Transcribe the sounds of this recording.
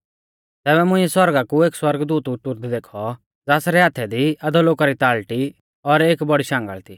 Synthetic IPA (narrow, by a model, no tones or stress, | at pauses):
t̪ɛːbɛmʊ̃ɪ̃ːɛswɐɾɡakueːkswɐɾɡd̪ut̪ʊt̪ʊɾd̪d̪eːkʰɔ | d͡zaːsɾɛɦaːt̪ʰɛd̪iɐd̪ɔloːkaɾit̪aːlʈi | ɔɾeːkbɔɽiʃãːŋɡə̰ɭt̪iː